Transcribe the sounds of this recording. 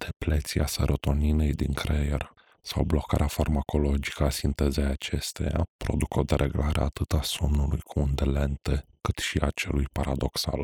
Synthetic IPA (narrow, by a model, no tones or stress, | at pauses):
d̪̥e̞plet̪siasəɾot̪o̞ninejd̪iŋkɾejer | sawblo̞kaɾeafarmako̞lo̞d͡ʒi̥kəasint̪ezejat͡ʃe̞st̪e̞̰ja̰pɾo̞̰d̪ukod̪eɾʔḛɡlaɾḛa̰ːt̪ɨt̪asomnulujkʰuund̪ele̞nt̪e | kɨt̪ʃiat͡ʃe̞̰lujpaɾad̪o̞ksa̰l